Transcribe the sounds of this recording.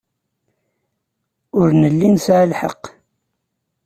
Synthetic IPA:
ʊɾnəlːinsʕəlħə̰qː

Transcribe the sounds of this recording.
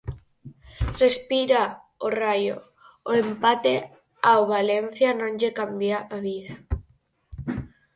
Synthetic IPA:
respiɾa | orajo̰ | oempat̪e | awβalen̟θjanõnd͡ʒekambjaʔaβiða

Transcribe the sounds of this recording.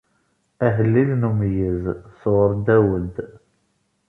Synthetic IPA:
æɦəlːilnumjəzsʁəɾˤd̪æwəd̪

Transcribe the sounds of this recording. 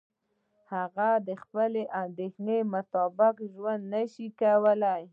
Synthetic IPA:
haɣad̪əxpəleʔand̪exnemʊt̪ɑbɪkʒwand̪nəʃikawəlaj

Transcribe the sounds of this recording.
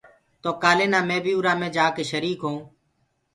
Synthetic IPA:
t̪oːkaːleːnãːmẽːbʱiːuɾaːmẽːd͡ʒaːkeːʃəɾiːkɦõː

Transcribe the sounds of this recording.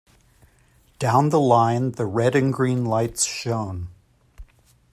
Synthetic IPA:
d̥ãʊ̃nðəlãɪ̃nðɨɹɛɾɨ̃nɡɹĩnlaɪtsʃõʊ̃n

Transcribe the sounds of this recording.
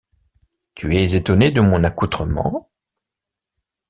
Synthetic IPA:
t̪yɛzet̪ɔned̪əmɔ̃nakut̪χəmɑ̰̃

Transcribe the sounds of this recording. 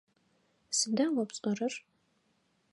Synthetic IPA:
sɨdaːwɔpɕʼɔrɐr

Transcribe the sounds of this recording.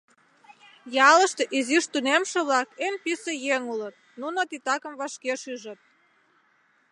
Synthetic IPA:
jɑləʃt̪eʔiziʃt̪unemʃeβlɑkenpisejeŋulət̪̚nunot̪it̪ɑkə̆mβɑʃkeʃyʒət̪̚

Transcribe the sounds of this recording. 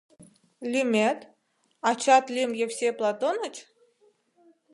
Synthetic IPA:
lʲymʲet̪ | ɑt͡ɕɑt̪lʲimjefsʲeplˠɑt̪onət͡ɕ

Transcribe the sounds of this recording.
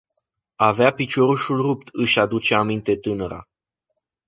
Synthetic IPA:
aveapit͡ʃo̞ɾuʃulrup̚t̪ʰɨʃʲad̪ut͡ʃeamint̪e̞t̪ɨnəɾa̰

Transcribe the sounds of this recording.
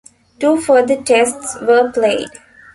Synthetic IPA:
ʈuːfəːd̪əʈɛsʈsʋəːpleːɖ

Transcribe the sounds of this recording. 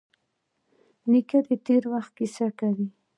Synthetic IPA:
nikad̪et̪eɾwaxt̪̚kisakawi

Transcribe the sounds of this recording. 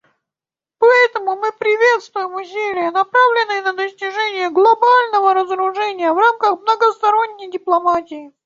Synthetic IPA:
pɐɛt̪əmʊmɨpɾʲɪvʲet̪st̪vʊjɪmʊsʲelʲɪjənɐpɾavlʲɪnːɨjənəd̪əsʲtʲɪʐɛnʲɪjəɡlˠɐbalʲnəvəɾəzəɾʊʐɛnʲɪjəvramkəxmnəɡəst̪ɐɾonʲːəjdʲɪplˠɐmatʲɪɪ

